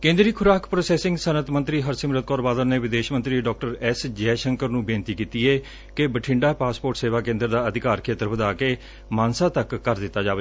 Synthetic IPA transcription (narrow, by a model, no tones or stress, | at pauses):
kẽːnd̪ɾiːkʰʊɾaːkpɾoːsɛːsɪ̃ŋɡsənət̪mə̃nt̪ɾiːɦəɾsɪmɾət̪̚kɔːɾbaːd̪ənneːʋɪd̪eːʃmə̃nt̪ɾiːɖɔːk̚ʈəɾɛsd͡ʒɛːʃəŋkəɾnũːbɪnt̪iːkiːt̪iːɛː | kebəʈʰɪ̃ɳɖaːpaːspoːʈseːʋaːkẽːnd̪əɾd̪aːəd̪ɪkaːɾkʰeːt̪əɾbəd̪aːkeː | mãːnsaːt̪əkːəɾd̪ɪt̪ːaːd͡ʒaːʋeː